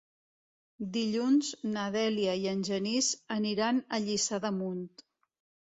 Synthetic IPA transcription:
d̪iʎunznəðɛliəiənʲʒənizəniɾanəʎisaðəmunt̪

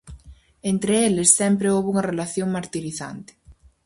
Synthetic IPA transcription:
ent̪ɾeelesːɛmpɾeowβuŋɐrelaθjoŋmaɾt̪iɾiθa̰nt̪ɪ̥

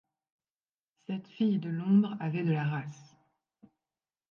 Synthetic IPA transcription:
sɛt̪fijd̪əlɔ̃d̪ʁavɛd̪əlaʁas

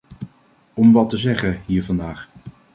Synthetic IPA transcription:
ɔmʋɑtəzɛχəɦiːɹvɑndaːχ

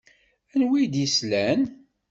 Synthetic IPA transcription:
ænwijd̪jislæn

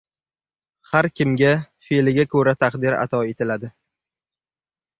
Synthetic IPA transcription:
haɾkʲɪmɡʲafeelɪɡʲakʰɵɾat̪ʰaqd̪ɪɾa̰t̪ʰɒe̞t̪ʰɪlad̪ɪ

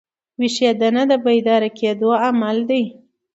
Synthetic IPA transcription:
wiʃed̪anad̪əbajd̪ɑɾakʰed̪oamald̪aj

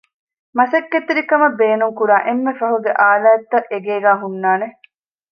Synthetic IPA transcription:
mɐsɐkːet̪iɾikɐmɐbeːnuŋkuɾaːʔemːefɐɦuɡeʔaːlaːɐt̪ːɐʔeɡeːɡæːɦunːaːne

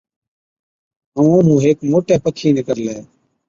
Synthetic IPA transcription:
ɦəũːɦũːɦeːkmoːʈeːpəkʰiːnekəɾleː

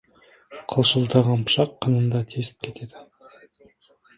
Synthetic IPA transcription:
qʰəlˠʃəlˠt̪ɑʁɑnpʰə̥ʃɑqʰːənənd̪ɑt̪ʰesɪ̥p̚kʲʰe̞t̪e̞d̪ɪ

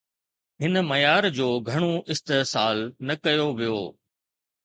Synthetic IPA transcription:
ɦɪnəmɐjaːɾd͡ʑoːɡʱɐɽ̃oʔɪst̪eːsaːlnɐkɐjoʋijo̰ː

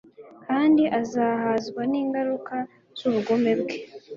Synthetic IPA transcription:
kaːndiʔazaːhaːzɡwaniːŋɡaɾuka | z̥uβuɡo̞me̞bɡe̞

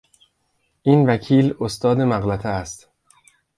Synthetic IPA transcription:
ʔiːnvækʰiːlost̪ɒːd̪emæɣlæt̪ʰeæst̪

